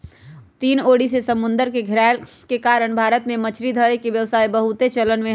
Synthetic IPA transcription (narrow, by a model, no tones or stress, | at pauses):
t̪iːnoːɽisesəmʊnd̪əɾkeɡʱɪɾal | kekaɾəɳ̃bʱaːɾət̪mẽmət͡ʃʰɾid̪ʱəekeʋjəʋsaːibəɦut̪et͡ʃələnmẽ